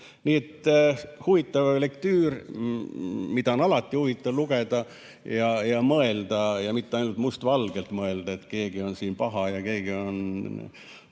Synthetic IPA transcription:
niːet̪ːhuvit̪ːˑɑvle̞kt̪yːr | mid̪̥ɑonɑlɑt̪ˑːihuvit̪ːɑvluɡ̥e̞d̪̥ɑ | jɑjɑmɤe̞ld̪̥ɑjɑmit̪ːeɑjnult̪must̪vɑlɡ̥e̞lt̪mɤe̞ld̪ɑe̞t̪ke̞ːɡ̥io̞nsiːnpɑɦɑjɑke̞ːɡ̥io̞n

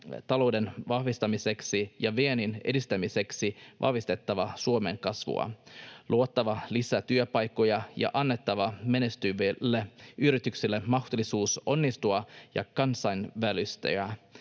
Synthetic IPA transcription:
t̪ɑlo̞wde̞nʋɑhʋist̪ɑmise̞ksijɑʋeenine̞̰dist̪æmise̞ksiʋʔɑ̰hʋist̪e̞t̪ːɑʋɑsuome̞̰ŋkɑsʋṵɑ̰lʔuot̪ːɑʋɑlisæt̪yøpɑjkːo̞jɑjɑ̰ʔɑnːe̞t̪ːɑʋɑmenest̪yʋelːeʔyɾit̪yksilːemɑxt̪olːisuːso̞nːist̪uɑjɑ̰kɑnsɑjnʋælyst̪æ̰æ

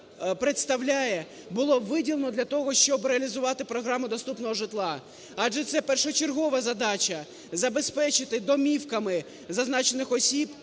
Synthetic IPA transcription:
pɾet̪st̪ɐwlʲajɛ | bʊlˠɔʋɪdʲilˠnɔd̪lʲɐt̪ɔɦɔʃt͡ʃɔbɾeɐlʲizʊʋɑt̪ɪpɾɔɦɾɑmʊd̪ɔst̪upnɔɦɔʒɪt̪lˠɑ | ɑʒɛt̪sɛpɛrʃɔt͡ʃerɦɔʋɐzɐd̪ɑt͡ʃɐ | zɐbespɛt͡ʃɪt̪ɪd̪ɔmʲiwkɐmɪ | zɐznɑt͡ʃenɪxɔsʲib

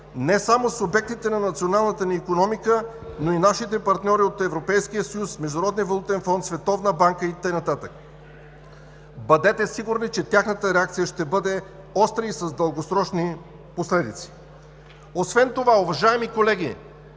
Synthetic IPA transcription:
nɛsamosobɛk̚t̪it̪ɛnɐnɐt̪sionalˠnət̪əniːkonɔmikə | noinaʃit̪ɛpɐɾt̪nʲɔɾiot̪ɛvɾopɛjskijəsɐjusmɛʒd̪ʊɾɔd̪nʲivɐlˠut̪ɛnfɔnt̪svɛt̪ɔvnəbaŋkəit̪əjnɐt̪at̪ək | bɐd̪ɛt̪ɛsiɡʊɾnit͡ʃɛt̪ʲjaxnət̪əɾɛak̚t̪sijəʃt̪ɛbɤd̪ɛ | ɔst̪ɾəisɐzd̪əlˠɡosɾɔt͡ʃni | poslɛd̪it̪si̥ | osvɛnt̪ovaʊvɐʒaɛmikolɛɡ̟i

